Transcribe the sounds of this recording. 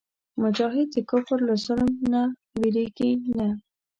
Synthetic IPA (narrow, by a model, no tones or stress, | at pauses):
mʊd͡ʒɑɦɪd̪̚d̪əkʊfɾlasʊlmnawiɾeɡina